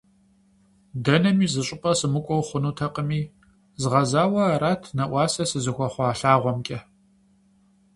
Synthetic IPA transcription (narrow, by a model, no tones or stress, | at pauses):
dɐnɐmiːzɨɕʼʊpʼɐsɨmɨkʷʼɔwχʷʊnuːtʰɐqʼəmiː | zʁɐzaːwɐɾaːtʰnɐʔʷɑːsɐsɨzɨxʷɔχʷɑːɬaːʁʷɔmkʲʼɐ